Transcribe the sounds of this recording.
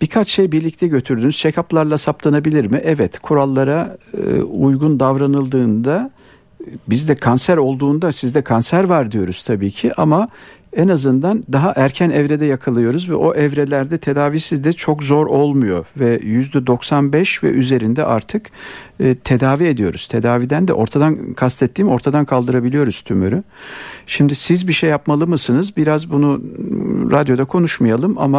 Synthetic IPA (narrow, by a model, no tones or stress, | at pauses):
b̥ikʰat͡ʃʃe̞jbiɾlʲic̚t̪ʰɛɟø̞t̪ʰyɾd̪ynyzt͡ʃʰekʰaplˠaɾlˠasaplˠanabilʲiɾmɪʔɛvɛt̪kʰuɾalˠːaɾa | ujɡund̪avɾanɯlˠd̪ɯːnd̪a | bizd̪ɛkʰansæɾo̞lˠd̪uːnd̪asizd̪ɛkʰansæɾvaɾd̪ijo̞ɾuz̥t̪ʰabiːcʰiʔamaɛnazɯnd̪and̪aɦaʔæɾcʰænɛvɾed̪ɛjakʰalˠɯjo̞ɾuzvɛ̰ʔo̞ʔɛvɾelʲæɾd̪ɛt̪ʰe̞d̪aːviːsizd̪ɛt͡ʃʰo̞kzo̞ɾo̞lˠmujo̞vɛjyzd̪ɛd̪o̞ksanbɛʃvɛ̰ʔyze̞ɾind̪ɛ̰ʔa̰ɾt̪ʰɯkː | t̪ʰe̞d̪aːvie̞d̪ijo̞ɾuz̥t̪ʰe̞d̪aːviːd̪ænd̪ɛ̰ʔo̞ɾt̪ʰad̪ankʰast̪ʰɛt̪ːiːmo̞ɾt̪ʰad̪ankʰalˠd̪ɯɾabilʲijo̞ɾuz̥t̪ʰymyɾyʃimd̪isizbiʃejːapmalˠɯmɯsɯnɯzbiɾazbunu | ɾad̪jo̞d̪akʰo̞nuʃmajalˠɯma̰ma